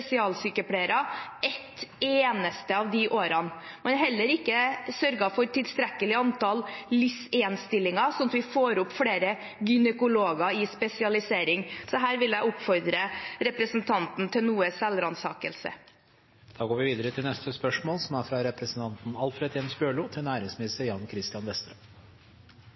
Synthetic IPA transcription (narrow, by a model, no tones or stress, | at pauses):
ɛsɪɑːlsyːkəpʰɽeːɾɑɛt̪ːeːnəst̪əɑʋd̪ɪʔoːɾɑn | mɛnɦɛlːəɾɪkːəsœɾɡɑfɔɾt̪ʰɪlst̪ɾɛkːəlɪɑnt̪ɑllʏsɛnst̪ɪlːɪŋɑsɔnɑt̪ʋɪfoːɾʊpːfɽeːɾə | ɡʏnəkʊloːɡɑɪspɛsɪɑlɪseːɾɪŋsɔɦæːɾʋɪljæɪʊpːfɔɾd̪ɾəɾɛpɾəsənt̪ʰɑnt̪n̩t̪ʰɪlnuːəsɛlɾɑnsɑːkə̰lsə̰ | d̪̥ɑːɡoːɾʋɪʋiːd̪əɾət̪ʰɪlnɛst̪əspœʂmoːlsɔmæɾfɾɑɾɛpɾəsn̩t̪ʰɑnt̪n̩ɑlfɾeːd̪jɛnsbjøːɭuːt̪ʰɪlnæːɾɪŋsmɪnɪst̪əɾjɑnkʰɾɪst̪ɪjɑnʋɛst̪ɾəː